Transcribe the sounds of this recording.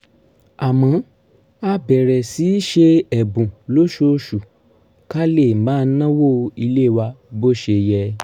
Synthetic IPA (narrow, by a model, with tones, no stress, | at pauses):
a˨mɔ̃˨˦ | a˧bɛ˨ɾɛ˨si˨˦ʃe˧ɛ˨bũ˨lo˦ʃo˧˦ʃu˨ | ka˦le˦˨mãː˨˦˧n̩˦nã˦wo˦˨˧i˧le˦˨wa˧bo˦˨ʃe˧jɛ˧